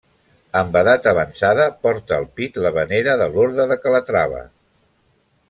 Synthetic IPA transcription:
əmbəðat̪əβənsaðəpɔɾt̪əːlˠpit̪ləβəneɾəðəloɾðəðəkələt̪ɾaβə̰

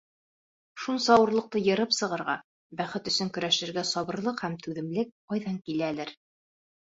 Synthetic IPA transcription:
ʃunsɑwɤ̆ɾlˠɤ̆q̚t̪ɤjɤ̆ɾɤpsɤ̆ʁɤ̆ɾʁɑ̰ | bæχɘt̪ɵ̆sɵŋkɵ̆ɾæʃɘ̆ɾɡæsɒβɤ̆ɾlˠɤqhæmt̪ʉðɘ̆mlɘk̚qɑjðɑŋkilælɘɾ

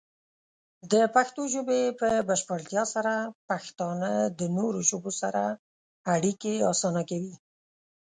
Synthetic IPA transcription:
d̪əpaxt̪oʒobepəbaʃpaɽt̪jɑsaɾapaxt̪ɑnəd̪ənoɾoʒobosaɾa | aɽikeɑsɑnakawi

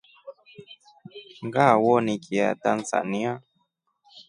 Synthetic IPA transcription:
ŋɡawɔnikia̰tanza̰nia

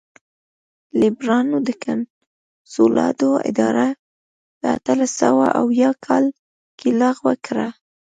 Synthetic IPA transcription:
lɪbɾɑnod̪əkʰan | solɑ̰d̪oɪ̰d̪ɑɾa | d̪̥əa̰t̪alasawaʔawjɑkʰɑl | kʰilɑɣwakɾa

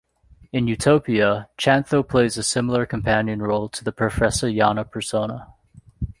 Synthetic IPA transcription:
ɨ̃njʉtʰoʊpiɨt͡ʃʰæ̃nθoʊpʰl̥eɪzɨsɪ̃ml̩ˠə˞kʰɨ̃m̩pʰæ̃njɨ̃nɹoʊlˠtʰəðɨpʰɹ̥ɨfɛsə˞jɑnəpʰə˞sõʊ̃nə

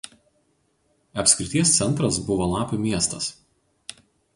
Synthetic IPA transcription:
ɐpʲsʲkʲɾʲɪt̪ʲiɛst̪sʲɛnˑt̪ɾɐsbʊʋoːlˠɑːpʲʊmʲiɛst̪ɐs

